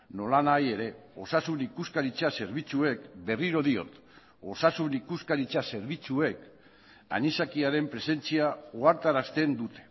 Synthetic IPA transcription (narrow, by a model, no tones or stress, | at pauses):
no̞lanaje̞ɾe̞o̞sasunikuskaɾit͡sase̞ɾβit͡sue̞kbe̞riɾo̞ðio̞̰t̪ | o̞sasunikuskaɾit͡sase̞ɾβit͡sue̞k | a̰ɲisakiaɾe̞mpɾe̞se̞nt͡siaoaɾt̪aɾast̪e̞nd̪ut̪e̞̥